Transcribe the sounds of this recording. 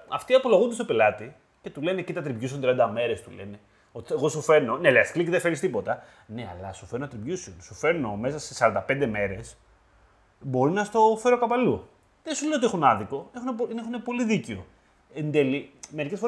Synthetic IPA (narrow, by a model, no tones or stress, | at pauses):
ɐft̪iɐpo̞loɣund̪est̪o̞pelɐt̪i | ce̞t̪ule̞ne̞cit̪ɐt̪ɾivʝusont̪ɾiɐnd̪ɐme̞ɾe̞st̪ulene̞ | o̞t̪ieɣo̞sufe̞no̞neleɐskliciðefe̞ɾist̪ipo̞t̪ɐ | ne̞ɐ̰lɐsu̥feɾnonɐt̪ɾivʝusionsufe̞ɾno̞me̞sɐse̞sɐɾɐnd̪ɐpe̞nd̪e̞me̞ɾe̞s | bo̞ɾinɐst̪o̞feɾokɐpɐlu | ðesuleo̞t̪iexunɐðiko̞exunepoinexune̞po̞liðiceo̞ | end̪e̞lime̞ɾikcesfoe